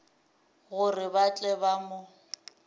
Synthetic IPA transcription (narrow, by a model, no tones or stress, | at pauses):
ɣʊrɪbat͡ɬʼɛbamʊ